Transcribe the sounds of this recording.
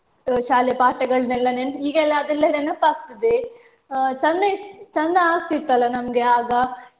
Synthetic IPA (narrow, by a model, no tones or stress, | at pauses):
ʃaːljɐpaːʈɐɡɐɭnɐlːɐneniːɡɛlːɐɐd̪ɛlːɐnenːɐpaːkt̪ɐd̪e | t͡ʃɐnd̪ɐt͡ʃɐnd̪ɐaːɡ̚t̪it̪ːɐlːɐnɐmɐɡeaːɡɐ